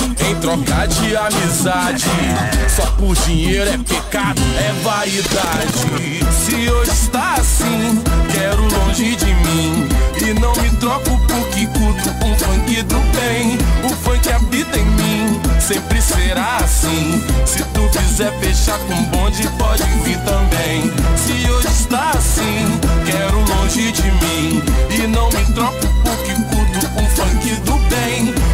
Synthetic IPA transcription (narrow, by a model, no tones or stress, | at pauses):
ẽj̃t̪ɾɔkad͡ʒɪamizad͡ʒɪsɔkʊd͡ʒiɲejɾʊɛpekad̪ʊɛva | id̪ad͡ʒɪ | sɪewist̪aasĩkɛɾʊlõʒɪd͡ʒɪmĩɪnɐ̃w̃mɪt̪ɾɔkʊpoɾkikuũfɐ̃j̃kid̪ʊbẽj̃ʊfɐ̃kɪabit̪ẽj̃mĩsẽmpɾɪseɾaasĩsɪt̪ukizɛɾfeʃaɾkõbõd͡ʒɪpɔd͡ʒɪviɾt̪ɐ̃bẽj̃sɪewist̪aɾasĩkɛɾʊlõʒɪd͡ʒɪmĩɪnɐ̃w̃mɪt̪ɾɔkʊpoɾkɪkuɾd̪ʊkõw̃fɐ̃kid̪ʊbẽj̃